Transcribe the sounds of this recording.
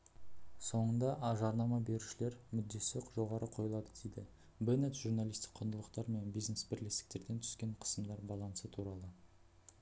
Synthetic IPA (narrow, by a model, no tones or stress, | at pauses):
so̞ɴənd̪ɑʔɑʒɑɾnɑmɑbe̞ɾuʃɪle̞ɾmʏd̪ːe̞sekʒo̞ʁɑɾəqʰo̞jəlˠɑd̪əd̪ejd̪ɪ̰ | benet̪ʒuɾnalijst̪ɪ̥k̚qʰːʊnd̪əlˠəqt̪ɑɾme̞nbijzne̞sbɪɾlest̪ɪ̥k̚t̪e̞ɾd̪e̞nt̪ʰʏ̥skʲe̞ɴqʰə̥səmd̪ɑɾbɑlˠɑnsət̪ʰuɾɑlˠə